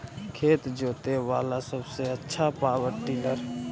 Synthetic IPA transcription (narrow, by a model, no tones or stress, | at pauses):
kʰeːt̪d͡ʒoːt̪eʋaːlasəbseətːʃʰapaːʋəʈiːləɾ